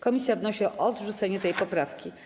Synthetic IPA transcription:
kɔmʲisʲjavnɔɕiʔɔd̪ʐut̪sɛɲɛt̪ɛjpɔpɾafkʲi

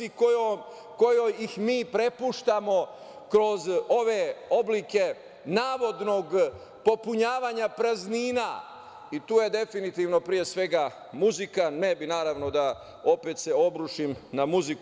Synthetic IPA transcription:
ikojom | ko̞jojixmiːpɾe̞puʃt̪amo̞ | kɾo̞zo̞ʋe̞o̞blike̞ | naːʋo̞d̪no̞ɡ | po̞puɲaːʋaːɲapɾazniːna | it̪uːje̞d̪e̞finit̪iːʋno̞pɾije̞sʋe̞ɡa | muzikanːebinaːɾaːʋno̞d̪a | o̞peːt̪se̞o̞bɾuʃimnamuzik

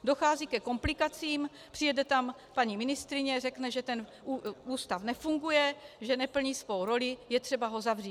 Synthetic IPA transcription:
do̞xaːzikɛko̞mplɪkat͡siːm | pr̥ɪjɛdɛt̪am | paɲiːmɪnɪst̪ɾɪɲɛrɛknɛʒɛt̪ɛn | uuːst̪afnɛfuŋɡujɛʒɛnɛpl̩ɲiːsvo̞wɾo̞lɪjɛt̪r̝̥ɛbaɦo̞zavriː

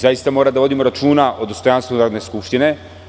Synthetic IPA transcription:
zajist̪amo̞ːɾad̪aʋo̞d̪imo̞ɾat͡ʃuːnaʔo̞d̪o̞st̪o̞janst̪ʋunaɾod̪ne̞skupʃt̪ine

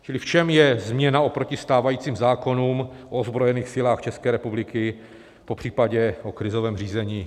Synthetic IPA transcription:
t͡ʃɪlɪft͡ʃɛmjɛzmɲɛnao̞pɾocɪst̪aːvajiːt͡siːmzaːko̞nuːmʔoozbɾojɛniːxsɪlaːxt͡ʃɛskɛːɾɛpublɪkɪ | popr̥iːpaɟɛʔokɾɪzo̞vɛːmriːzɛɲiː

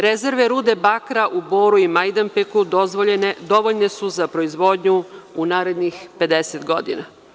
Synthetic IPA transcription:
ɾeze̞ɾʋe̞ɾuːd̪e̞bakɾaʔubo̞ːɾuimajd̪ampekud̪ozʋoʎened̪o̞ʋo̞ʎne̞suzapɾo̞izʋo̞ːd̪ɲuunaːɾe̞d̪nixpe̞d̪eset̪ɡo̞d̪ḭna

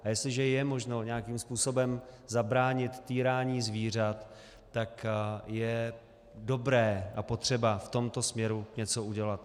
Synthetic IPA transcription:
ajɛst̪lɪʒɛjɛmo̞ʒno̞ɲɛakiːmspuːso̞bɛmzabɾaːɲɪt̪ːiːɾaːɲiːzviːr̝at̪ː | akjɛ | do̞bɾɛːʔapo̞t̪r̝̥ɛbaft̪o̞mt̪o̞smɲɛɾuɲɛt͡so̞ʔuɟɛlat̪

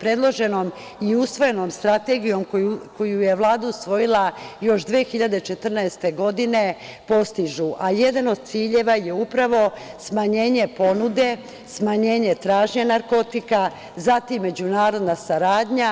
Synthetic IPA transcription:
pɾe̞d̪lˠo̞ʒe̞no̞m | iusʋo̞je̞no̞mst̪ɾat̪e̞ɡijo̞mkouko̞juje̞ʋlˠaːd̪ausʋo̞jilˠajo̞ʃd̪ʋeːxiʎad̪e̞t͡ʃe̞t̪r̩nɛest̪e̞ɡo̞d̪ine̞ | po̞st̪iʒuʔaje̞d̪ano̞d̪̚t̪siːʎe̞ʋaje̞upɾaʋo̞smaɲe̞ːɲe̞po̞nud̪e̞ | smaɲe̞ːɲe̞t̪ɾaːʒɲenaɾko̞t̪ika | zat̪imːe̞d͡ʑunaːɾo̞d̪nasaɾaːd̪ɲa

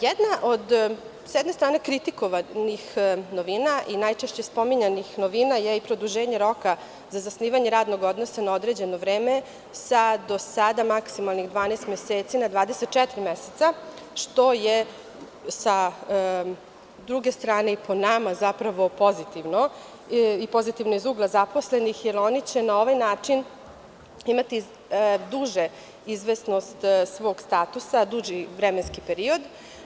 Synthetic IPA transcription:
jɛd̪naʔod̪ | sjɛd̪nest̪ɾaːnekɾit̪ikoʋanixnoʋinaʔinajt͡ʃeʃt͡ɕe̞spomiɲanixnoʋinajeipɾod̪uʒeːɲeɾo̞ka | zazasniːʋaɲeɾaːd̪noɡod̪nosanaod̪ɾed͡ʑenoʋɾeːme | sad̪osad̪amaksimalˠnixd̪ʋaːnest̪meseːt̪sinad̪ʋaːd̪eset̪̚t͡ʃɛt̪ɾimɛset̪sa | ʃt̪oje | sa | d̪ɾuɡe̞st̪ɾaːneiponamazapɾaʋo̞po̞zit̪iʋno | ipo̞zit̪iʋnoizuːɡlˠazapo̞sle̞nixjelonit͡ɕe̞nao̞ʋajnaːt͡ʂin | imat̪i | d̪uʒe | izʋesno̞st̪sʋo̞ɡst̪at̪usad̪uʒiʋɾemenskipeɾio̞d̪

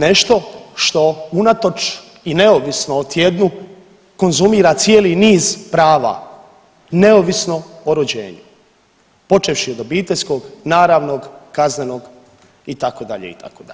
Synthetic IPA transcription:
ne̞ʃt̪o̞ʃt̪o̞unat̪o̞t͡ʃ | ine̞oʋisnoot̪ʰje̞d̪nu | ko̞nzumiːɾat̪sjeːliniːzpɾaːʋa̰ | ne̞oʋisno̞oɾod͡ʑḛːɲu | po̞t͡ʃeʋʃiod̪obiːt̪e̞ʎʲsko̞ɡnaːɾaːʋnoɡkazne̞noɡ | it̪akod̪a̰ʎḛḭt̪a̰kod̪a

